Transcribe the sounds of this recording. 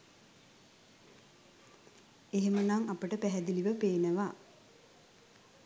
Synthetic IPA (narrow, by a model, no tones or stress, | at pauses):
eɦemənaŋapəʈəpæɦɛd̪iliʋəpeːnəʋa